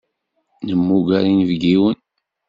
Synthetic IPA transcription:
nəmːuɡæɾinvɡiwən

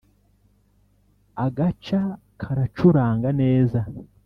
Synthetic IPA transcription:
aɡat͡ʃa | kʰaɾat͡ʃuɾaːŋɡane̞ːza

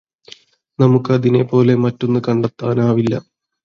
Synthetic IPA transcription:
nɐmukːɨɐðine̞po̞ːle̞mɐtːo̞nːɨkɐɳɖɐt̪ːaːnaːʋilːɐ̰

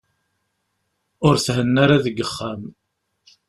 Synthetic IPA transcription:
ʊɾθɦənːaɾaðəɡːəχːam

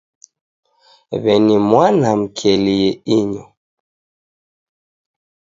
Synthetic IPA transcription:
βɛnimwanam̩kʰɛliɛiɲɔ

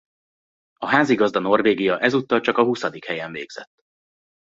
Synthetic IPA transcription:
ɒɦaːziɡɒzd̪ɒno̞rveːɡijɒʔɛzut̪ːɒlt͡ʃɒkɒɦusɒd̪ikhɛjɛɱvḛːɡz̥ɛt̪ː

